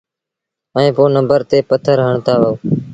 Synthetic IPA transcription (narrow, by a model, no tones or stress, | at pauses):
əẽːpoːnəmbəɾt̪eːpət̪ʰəɾɦəɳt̪aːʋaːuː